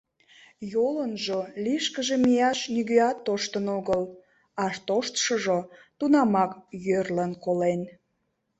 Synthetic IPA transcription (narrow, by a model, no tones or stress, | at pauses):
jolənʒoliʃkəʒemijɑʃnyɣøɑt̪ːoʃt̪ənoɣəl | ɑʃt̪oʃt̪ʃoʒot̪unɑmɑkjørlənkolen